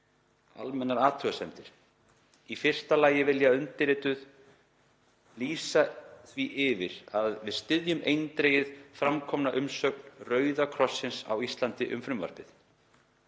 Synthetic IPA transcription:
a̰lmɛnːaɾaːt̪ʰɾʏɣasɛmt̪ɪɾ̥ | ifɪr̥t̪alaːjɪvɪljaʏnt̪ɪɾɪːt̪ʏð | liːsaθviʔɪvɪɾaðvɪðst̪ɪðjʏmejnt̪ɾeːjɪðfɾamkʰɔmnaʔʏmsœk̚nrœːɥðakʰɾɔsːɪnsa̰wist̪lant̪ɪʔʏ̰mfɾʏmva̰ɾ̥pɪθ

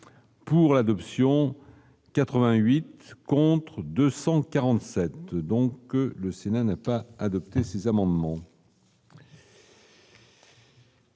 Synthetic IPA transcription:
puʁlad̪ɔpsjɔ̃ | kat̪χəvɛ̃ɥit̪kɔ̃t̪χd̪øsɑ̃kaʁɑ̃t̪sɛt̪d̪ɔ̃kləsenanapaːd̪ɔp̚t̪esezamɑ̃d̪mɑ̃

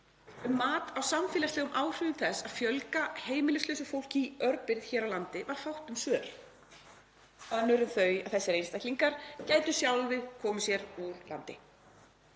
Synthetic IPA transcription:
ʏmːaːt̪awsamfɪːlast̪ɛːɣʏmʔaːwr̥ʏːðʏmθɛsːaðfjœlkaheːjmɪlɪslœːɥsʏfowl̥ciœɾpɪɾð̥çɛːɾawlant̪ɪvaɾ̥fawht̪ʏmsœːɾ̥ | œnːʏɾʏnθœɥjaðθɛsːɪɾejnst̪ajhtliŋkaɾ̥caːjt̪ʏsjawlvɪðkʰɔːmʏsjɛɾuɾla̰nt̪ɪ̰

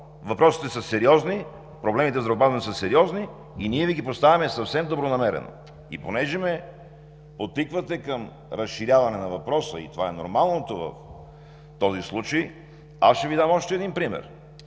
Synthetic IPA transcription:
vɐpɾɔsi̥t̪ɛsəsɛɾiɔzni | pɾoblɛmit̪ɛzɾobazvɐnisəsɛɾiɔzniː | niɛviɡipost̪avʲɐmɛsɐfsɛmd̪obɾonɐmɛɾɛ̰no̰ | ḭponɛʒɛmɛ | pot̪ikvɐt̪ɛkəm | ɾəsʃiɾjavɐnɛnɐvɐpɾɔsəḭt̪ovaɛno̰ɾmalˠnot̪ovɐ̰f | t̪ɔzislˠut͡ʃəj | a̰sʃɛvid̪amɔʃt̪ɛːd̪inpɾimɛ̰ɾ

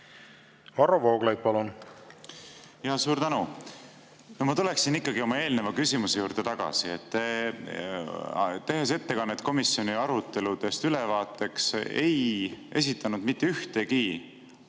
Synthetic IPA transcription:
vɑɾovoːɡ̥lɑjd̪̚pɑlun | jɑsuːɾt̪ænu | nomɑt̪ule̞ksinikːˑɑɡio̞mɑe̞ːlne̞vɑkysimusejuːɾd̪̥e̞t̪ɑɡ̥ɑ̰sie̞̰t̪ː | t̪e̞ɦe̞s̬e̞t̪ːe̞kɑnːet̪̚ko̞misjo̞niɑɾut̪ːˑe̞lud̪̥e̞st̪ylevɑːt̪ːˑe̞kse̞̰jʔe̞̰s̬ʲit̪ːˑɑnud̪̥mit̪ːeyht̪e̞ki

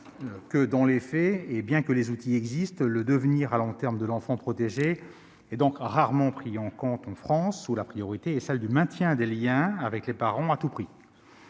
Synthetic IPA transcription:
kəd̪ɑ̃lefɛebjɛ̃kəlezut̪iɛɡzist̪ləd̪əvniːʁalɔ̃t̪ɛʁmd̪əlɑ̃fɑ̃pχɔt̪eʒe | ɛd̪ɔ̃kʁaʁmɑ̃pχiɑ̃kɔ̃t̪ɑ̃fχɑ̃sulapχijɔʁit̪eɛsɛld̪ymɛ̃t̪jɛ̃d̪eljɛ̃avɛklepaʁɑ̃at̪upχi

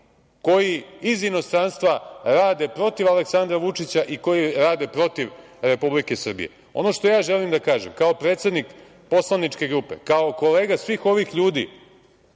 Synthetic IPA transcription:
ko̞jiizino̞st̪ɾanst̪ʋaɾaːd̪e̞pɾo̞t̪iʋale̞ksand̪ɾaʋut͡ʂit͡ɕaʔiko̞jiɾaːd̪e̞pɾo̞t̪iʋ | ɾe̞publikesr̩bḭjḛ | o̞̰no̞ʂt̪o̞jaːʒe̞limd̪akaːʒemkao̞pɾeːt̪se̞d̪nik | po̞slˠanit͡ʂke̞ɡɾupe̞̰kaoko̞le̞ːɡasʋiːxo̞ʋixʎuːd̪ḭː

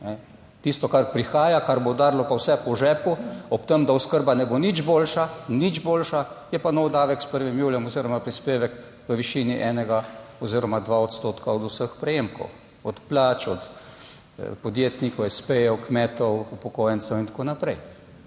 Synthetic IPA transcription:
nɛ | t̪ist̪ɔkaɾpɾixaːjakaɾbod̪aːɾlɔpawsɛpɔʒɛːpuɔpt̪əmd̪auskəɾbanɛbonid͡ʒboːlʃanid͡ʒboːlʃajɛpanɔwd̪aːʋɛkspəɾʋimjuːljɛmɔziːɾɔmapɾispeːʋɛk | ʋəʋiʃiːniʔɛːnɛɡaɔziːɾɔmad̪ʋaɔt̪st̪oːt̪kaɔd̪usəxpɾɛjeːmkɔ̰w | ɔt̪plaːt͡ʃɔt̪ | pɔd̪jeːt̪nikɔɛspɛjɛwkmɛːt̪ɔwupɔkoːjɛnsɛwint̪ḁkoːnapɾɛj

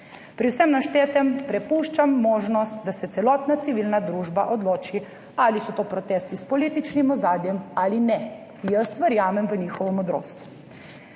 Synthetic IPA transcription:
pɾiwsɛmnaʃt̪eːt̪ɛmpɾɛpuːʃt͡ʃamːoːʒnɔst̪̚d̪asɛt̪sɛlɔt̪nat̪siʋiːlnad̪ɾuːʒba̰ʔɔd̪loːt͡ʃi | alisɔt̪oːpɾɔt̪ɛːst̪ispɔlit̪it͡ʃnimɔzaːd̪jɛmaːlinɛ | jəst̪ʋəɾjaːmɛmʋəniːxɔʋɔmɔd̪ɾo̰ːst̪u

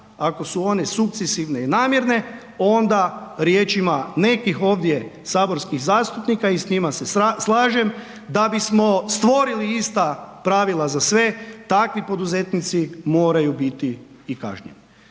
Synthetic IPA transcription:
ako̞suo̞ne̞suk̚t̪sesiʋne̞inaːmje̞ɾne̞ | o̞nd̪aɾjeːt͡ʃimane̞kixo̞ːʋd̪jesaːbo̞ɾskixzaːst̪upnikaisɲimaseslˠaːʒe̞m | d̪abismost̪ʋo̞ɾiliist̪apɾaːʋilˠazasʋe̞t̪akʋipo̞d̪uze̞t̪nit̪simo̞ːɾajubit̪iː | ka̰ʒɲḛn

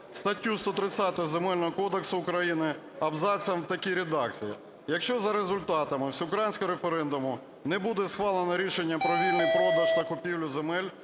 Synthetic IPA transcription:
st̪ɐtʲːust̪ɔt̪ɾɪt͡sʲat̪ɔɦɔzemɛlʲnɔɦɔkɔd̪eksʊːkɾɐjinɪ | ɐbzɑt͡sʲjɐmt̪ɐkʲiɾʲed̪ɑk̚t͡sʲijḭ | jɐkʃt͡ʃɔzɐɾezʊlʲt̪ɑt̪ɐmɪwsʲiʊkɾajinʲsʲkɔɾefeɾɛnd̪ʊmʊ | nɛbud̪ɛsxʋɑlˠenɐɾʲiʃenʲːɐpɾɔʋʲilʲnɪjpɾɔd̪ɐʃt̪ɐkʊpʲiwlʲʊzemɛlʲ

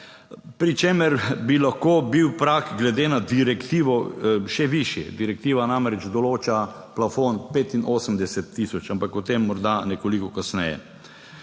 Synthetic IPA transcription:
pɾit͡ʃeːməɾbilaxkoːbiwpɾakɡlɛd̪eːnad̪iɾɛkt̪iːʋɔʃɛʋiʃjɛ̰d̪iɾɛk̚t̪iːʋanamɾɛd͡ʒd̪ɔloːt͡ʃa | plafonpeːt̪inʔoːsəmd̪ɛsɛt̪ːiːsɔt͡ʃampakut̪emːɔɾd̪anɛkolikɔkasnɛ̰jɛ̰

